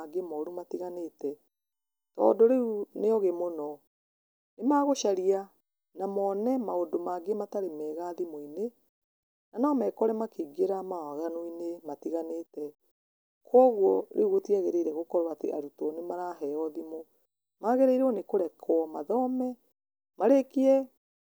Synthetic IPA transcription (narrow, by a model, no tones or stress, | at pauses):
aɡemɔɾumatiɣanetɛ | tɔ̰ːndoɾeunejɔɣemonɔ | nemaːɣoʃaɾia | namɔːnɛmaodomaɡemataɾemɛːɣaðimoine | nanaɔmɛkɔɾɛmakeɡeɾamawaɣanoinematiɣanetɛ | kʰwɔɣwɔɾʔḛuɣotiaɣeɾeiɾɛɣokɔɾwatḛʔaɾutɔnemaɾaɦɛɔðimo | maɣeɾeiɾeɔnekoɾɛkʰwɔmaðɔmɛ | maɾekiɛ